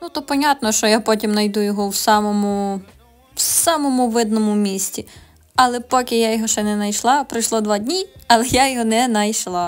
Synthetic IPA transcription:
nut̪ɔpɔnʲat̪nɔʃt͡ʃɔjapɔtʲimnɐjd̪ujɔɦɔwsɑmɔmʊ | wsɑmɔmʊʋɪd̪nɔmʊmʲisʲtʲi | ɐlˠɛpɔkʲɪjajɔɦɔʃt͡ʃɛnɛnɐjʃlˠɑpɾɪjʃlˠɔd̪ʋɑdʲnʲiɐlˠɛjajɔɦɔnɛnɐjʃlˠɑ

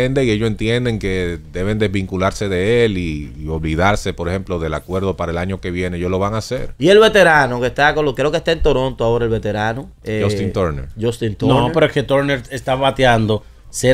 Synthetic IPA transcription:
end̪eieʝoent̪je̞nd̪e̞ŋke̞d̪e̞βe̞nd̪ezβiŋkulaɾse̞ðe̞eliːo̞βliðaɾse̞poɾehe̞mplo̞ðe̞lakwe̞ɾðo̞paɾaelaɲo̞ke̞βje̞neejolo̞βaŋasḛɾie̞lβe̞t̪e̞ɾanokest̪akonlokɾeokest̪ent̪oɾo̞nt̪oaoɾaelβe̞t̪e̞ɾano | ed͡ʒost̪int̪oɾnḛɾd͡ʒost̪int̪onɾopeɾoesket̪oɾneɾest̪aβat̪jand̪o | se

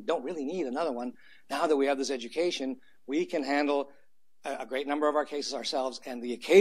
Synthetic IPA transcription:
dõʊ̃nt̚ɹɪlˠiniɾɨnʌðə˞wʌ̃nː | aʊðɨt̚wiɨvðɪsɛd͡ʒɨkʰeɪʃɨ̃n | wikʰɨ̃nɦæ̃ndˡl̩ˠ | əɡɹeɪt̚ⁿnʌ̃mbə˞ʌvaʊə˞kʰeɪsɨzəə˞sɛlˠvzɨ̃nðiɨkʰeɪ

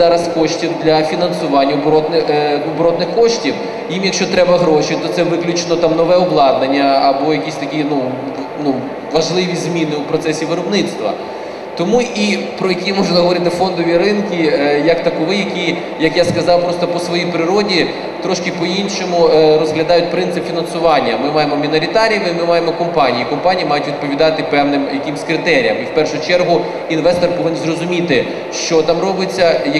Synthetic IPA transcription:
zɑɾɐskɔʃtʲiwd̪lʲɐfʲinɐnsʊʋɑnʲːɐɔbɾɔt̪nɪ | bɾɔt̪nɪxkɔʃtʲiw | jimjɐkʃt͡ʃɔt̪ɾɛbɐɦɾɔʃit̪ɔt̪sɛʋɪklʲʉt͡ʃenɔt̪ɑmnɔʋɛɔblˠɑd̪nenʲːɐɐbɔjɐkʲisʲt̪ɐkʲinu | nu | ʋɐʒlˠɪʋʲizmʲinɪupɾɔt̪sɛsʲiʋɪɾɔbnɪt̪st̪ʋɐ̰ | t̪ɔmuʔipɾɔjɐkʲimɔʒnɐɦɔʋɔɾɪt̪ɪfɔnd̪ɔʋʲiɾɪnkʲijɐkt̪ɐkɔʋɪjɐkʲi | jɐkjaskɐzɑwpɾɔst̪ɔpɔsʋɔjijpɾɪɾɔdʲi | t̪ɾɔʃkɪpɔinʃɔmʊɾɔzɦlʲɐd̪ɑjʊt̚ʲpɾɪnt̪sɪpfʲinɐnsʊʋɑnʲːɐmɪmɑjemɔmʲinɔɾʲit̪ɑɾʲɐmɪmɪmɑjemɔkɔmpɑnʲijikɔmpɑnʲijimɑjʊtʲʋʲid̪̚pɔʋʲid̪ɑt̪ɪpɛwnɪmjɐkɪmsʲkɾɪt̪ɛɾʲijɐmiwpɛrʃʊt͡ʃɛrɦʊ | inʋɛst̪ɔrpɔʋɪnnzrɔzʊmʲit̪ɪ | ʃt͡ʃɔt̪ɑmɾɔbɪt͡sʲːɐjɐ

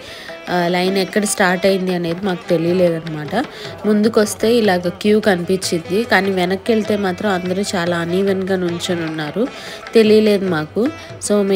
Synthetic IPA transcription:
lɐjnɛkːɐɽɐsʈaːɾʈɐjind̪iɐne̞ːd̪imaːku̥t̪e̞lijɐle̞ːd̪ɐnːɐmaːʈɐmund̪ukʋɐst̪e̞ːilaːɡaːkjuːkɐnipiɲt͡ʃːind̪ikaːniːʋɛnɐkːe̞ɭit̪e̞ːmaːt̪ɾɐmɐnd̪ɐɾuːt͡ʃaːlaːniːʋɐnɡaːnuɲt͡ʃɐnunːaːɾu | t̪e̞lijɐle̞ːd̪umaːku | so̞ː

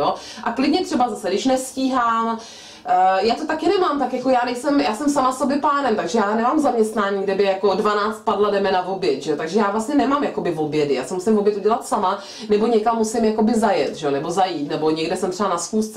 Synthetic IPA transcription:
o | ʔaklɪdɲɛt̪r̥ɛbazasɛdɪʃnɛsciːɦaːm | jaːt̪ot̪akɪnɛmaːmt̪akjako̞jaːnɛjsɛmjaːsɛmsamasobjɛpaːnɛmt̪aɡʒɛjaːnɛmaːmzamɲɛst̪naːɲiːɡdɛbɪjakodvanaːt͡st̪̚padladɛmɛnavo̞bjɛt̪ʒɛot̪aɡʒɛjaːvlastɲɛnɛmaːmjako̞bɪvo̞bjɛdɪja̰ːsɛmusɪmvobjɛt̪uɟɛlat̪sama | nɛbo̞ɲɛkamːusɪmjako̞bɪzajɛt̪ʒɛonɛbo̞zajiːt̪nɛbo̞ɲɛɡdɛsɛmt̪rɛbanasxuːst̪t͡s

